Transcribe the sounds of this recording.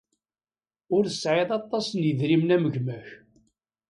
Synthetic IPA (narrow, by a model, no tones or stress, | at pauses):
ʊɾsːʕɪðˤɑt̪ˤːɑsənjəðɾimnæməʝmæç